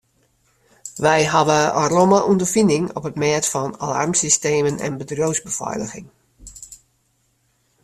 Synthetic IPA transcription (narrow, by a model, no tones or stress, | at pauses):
ʋɛjɦaʋəəromaʔundərfindɪŋɔ̰pətmɛətfɔna̰la̰rmsisteːmənɛ̰nbədrowsbəfɔ̰jləxɪŋ